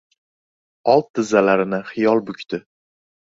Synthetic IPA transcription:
ɒlˠt̪̚d̪ɪzːalaɾɪnɪχɪjɒlˠbʊkʲt̪ʰɪ

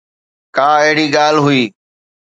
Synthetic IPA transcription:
kaːeɦɪɽiːɡaːlɦʊiː

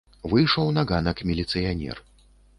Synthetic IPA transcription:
vɨjʂɔwnaɣanɐkmʲilʲit̪sɨjanʲɛ̰r

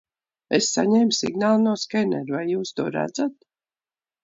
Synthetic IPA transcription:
esːa̰ɲɛːmsḭɡnaːlˠnuɔskɛnɛɾvajːuːst̪uɔɾæ̰d̪zat̪̚

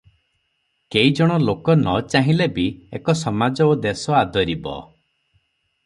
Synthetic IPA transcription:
keid͡ʒɔɽ̃ɔlokɔnɔt͡ʃaɦĩlebiekɔsɔmad͡ʒɔod̪esɔad̪ɔɾibɔ̰

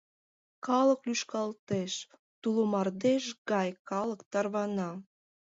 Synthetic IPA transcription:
kɑləklyʃkɑlt̪eʃ | t̪ulomɑrd̪eʃɡɑjkɑləkt̪ɑrβɑnɑ

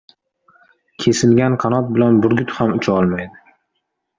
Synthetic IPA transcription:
kʲʰe̞sɪlɡʲanqʰɑnɒt̪̚bɪlanbʊɾɡʲʊt̪hamʊt͡ʃʰɒlˠmajd̪ɪ

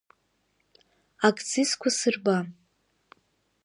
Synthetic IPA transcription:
akʰʼt͡sʰiskʷʰasɨrba

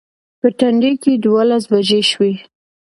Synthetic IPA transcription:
pəʈaɳɖeked̪walas̬bad͡ʒeʃwe

